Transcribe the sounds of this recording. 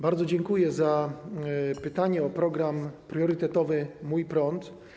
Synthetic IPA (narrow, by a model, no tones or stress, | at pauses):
baɾd̪zɔd͡ʑɛŋkujɛza | pɘt̪aɲɛɔpɾɔɡɾampɾjɔɾɘt̪ɛt̪ɔvɘmujpɾɔnt̪